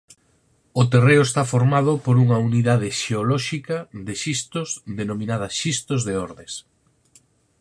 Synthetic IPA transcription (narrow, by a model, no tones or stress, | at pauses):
ʊt̪ereʊest̪afoɾmað̞ʊpoɾuŋɐuniðað̞ɪʃeolɔʃikɐðeʃist̪ʊzðenomĩnað̞ɐʃist̪ozðeɔɾðes